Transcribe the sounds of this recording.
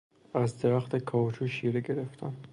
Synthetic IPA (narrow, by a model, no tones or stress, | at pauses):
æzd̪eɾæxt̪ʰekʰɒːt͡ʃʰuʃiːɾeɡeɾeft̪ʰæn